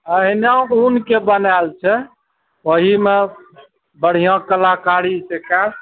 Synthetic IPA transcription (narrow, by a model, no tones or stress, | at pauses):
əɦinãunkebənalt͡ʃʰɛ | oɦime | bəɽ̤ijãkəlakaɾiseka